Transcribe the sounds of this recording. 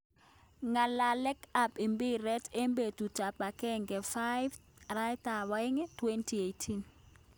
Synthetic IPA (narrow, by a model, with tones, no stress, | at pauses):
ŋa˨la˨lɛ˦ka˨pi˨mbi˦ɾɛ˦te˦mbe˨tu˨ta˨pa˨kɛ˦ŋɡɛ˨fa˦jv | ɾa˦jt̪a˨wa˦ɪ˦ŋɛ˦twe˦ntʰi˨e˨jtʰi˦n